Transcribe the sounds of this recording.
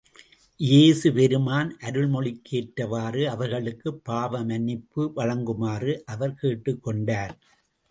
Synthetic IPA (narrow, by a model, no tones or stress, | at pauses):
jeːsɯpɛɾɯmaːnʔɐɾɯɭmɔɭɪkʰːeːʈɾɐʋaːrɯɐʋɐɾɣɐɭɯkːɯpːaːʋɐmɐnɪpːɯʋɐɻɐŋɡɯmaːrɯʔɐʋɐɾkeːʈːɯkːɔɳɖaːɾ